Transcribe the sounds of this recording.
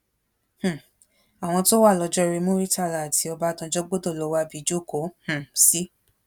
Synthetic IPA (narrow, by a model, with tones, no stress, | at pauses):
h̩˨ | a˨w̃ɔ̃˧to˦wa˦˨lɔ˧d͡ʒɔ˦˧ɾi˧mũ˦ɾi˦ta˦˨la˨ti˧ɔ˧ba˦dã˧d͡ʒɔ˦ɡ͡bo˦do˦˨lo˨˦wa˧bi˨˦d͡ʒo˦˨ko˨˦h̩˨si˦